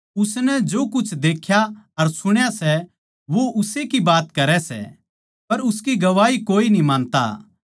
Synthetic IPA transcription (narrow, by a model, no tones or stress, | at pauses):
ʊsnɛd͡ʒoːkʊt͡ʃʰd̪eːkʰjaɐɾsʊɽ̃jasɛ | ʋoʔʊsekibaːt̪kɐɾɛsɛ̰ | pɐɾʊskiɡɐʋaːikoːinĩmãːnt̪a̰